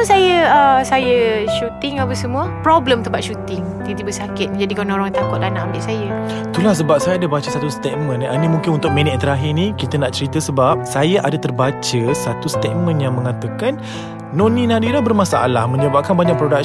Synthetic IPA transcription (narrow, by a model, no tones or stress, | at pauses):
sajəəsajəʃut̪ɪŋapəsəmũəpɾɔbləmt̪əpaʔʃut̪ɪŋ | d̪it̪ibəsakɪt̪̚d͡ʒadikanoɾɔŋt̪akʊt̪̚lanaʔambɪʔsajə | t̪ulahs̬əbap̚sajaadabat͡ʃəsat̪ust̪et̪̚mə̃nanimuŋkɪnunt̪ʊk̚minɛt̪̚t̪əɾaɦɪnikit̪ənaʔt͡ʃəɾit̪əsəbap̚sajaʔadat̪ərbat͡ʃəsat̪ust̪et̪̚mə̃njaŋməŋat̪əkanː | ɔnĩnadiɾahbərmasa̰a̰lahməɲəbap̚kanbaɲak̚pɾodak̚